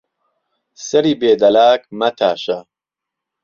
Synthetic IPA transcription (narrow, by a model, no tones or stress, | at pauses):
sɐɾiːbeːd̪ɐlaːk̚mɐt̪ʰaːʃɐ